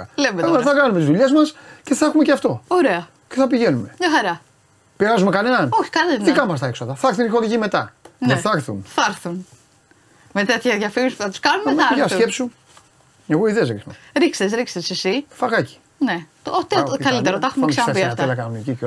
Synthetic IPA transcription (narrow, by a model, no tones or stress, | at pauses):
ɐlemetɐɐθɐkɐnumet̪izðuʎezmɐsceθɐxumeceft̪o̞oɾeɐ | ceθɐpiʝenume̞mɲɐxɐɾɐ | piɾɐzumekɐne̞nɐnoçi̥kɐlit̪ikɐnumɐs̬t̪ɐeksoðɐθɐɾθunixo̞ɾiʝimet̪ɐnɐθɐɾθunθɐɾθun | met̪et̪çɐðʝɐfimispuθɐt̪u̥skɐnumeʝɐskepsu | eɣoiðeezɣɾixneɾiksesɾiksesisifɐɣɐci̥ | ne | ot̪ekɐlit̪eɾot̪ɐxumeksɐp̪iɐft̪elɐkɐnunecio